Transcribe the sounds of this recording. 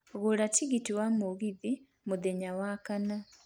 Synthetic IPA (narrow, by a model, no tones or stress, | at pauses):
ɣoɾatiɣitiwamoɣiði | moðɛɲawakana